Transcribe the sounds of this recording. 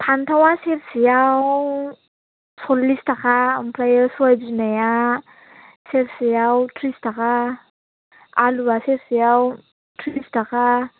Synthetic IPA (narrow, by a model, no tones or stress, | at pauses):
tʰant̪ʰawasefsijaw | sɔlːistakʰampʰlajəsajd͡ʒinaja | selsijawtʰɾistakʰa | aluasefsijaw | tʰɾistakʰa